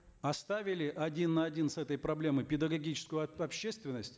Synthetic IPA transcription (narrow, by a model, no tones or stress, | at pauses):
ɐst̪avʲɪlʲɪʔɐdʲinːɐɐdʲinsɛt̪əjpɾɐblʲe̞mɨpʲɪd̪əɡɐɡʲit͡ɕɪ̥skʊjʊɐpɕːest̪vʲɪnːəsʲtʲ